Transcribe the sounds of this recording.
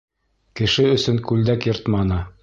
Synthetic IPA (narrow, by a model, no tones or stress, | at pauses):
kɘ̆ʃɘɵ̆sɵŋkʉld̪ækjɤ̆ɾt̪mɑnɤ